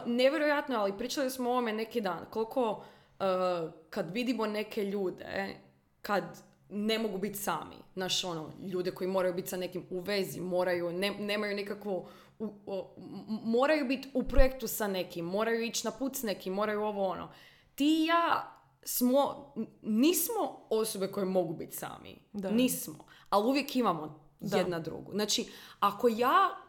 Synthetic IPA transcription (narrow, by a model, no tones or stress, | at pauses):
neʋjeɾojat̪noalipɾiːt͡ʃalijosmoo̞ʋomene̞kid̪aːnko̞lkʰo̞ | əkad̪ʋid̪imo̞ne̞kʰe̞ʎuːd̪ḛ | kad̪ | ne̞mo̞ɡubit̪sa̰ːmḭnaʃo̞no̰ʎuːd̪eko̞jimo̞ɾajubit̪ʲsane̞kimuʋe̞zḭmo̞ːɾajuneneːmajunikakʋo | u | mo̞ːɾajubit̪upɾojekt̪usane̞kimːo̞ːɾajuit͡ʃnapuːt̪sne̞kimːo̞ɾajuo̞ʋoono̰ | t̪ijaː | smo | niːsmo̞o̞sobe̞ko̞jemo̞ɡubit̪sa̰ːmḭniːsmoaliuʋje̞kimamo | jed̪nad̪ɾṵɡṵznat͡ʃiako̞jaː